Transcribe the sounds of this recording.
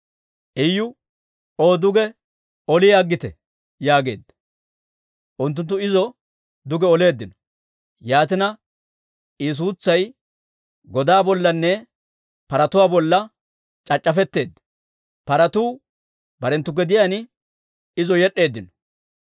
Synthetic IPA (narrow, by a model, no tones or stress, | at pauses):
ʔɛjːʊ | oːd̪ʊɡɛ | ɔlɪjaːɡːɪt̪ɛ | jaːɡe̞̰ːd̪ːɐ | ʔʊnt̪̬ːʊnt̪ːʊɪzɔ | d̪ʊɡɛɔle̞ːd̪ːɪnɔ̥ | jaːt̪ɪnɐ | ɪs̬uːt͡sːɐj | ɡɔd̪aːbɔlːɐnːɛ | pɐɾɐt̪ʊwaːbɔlːɐ | t͡ʃʼɐt͡ʃʼːɐfɛt̪ːe̞ːd̪ːɐ | pɐɾɐt̪uː | bɐɾɛnt̪ːʊɡɛd̪ɪjaːnɪ | ɪzɔjɛɗːe̞ːd̪ːɪnɔ̥